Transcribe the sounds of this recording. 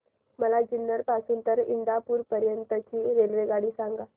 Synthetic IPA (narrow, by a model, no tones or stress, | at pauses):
məlad͡ʑinːəɾpasuːnt̪əɾḭnd̪apuːɾpəɾjənt̪ət͡ɕiːɾelʋeɡaɽiːsaŋɡa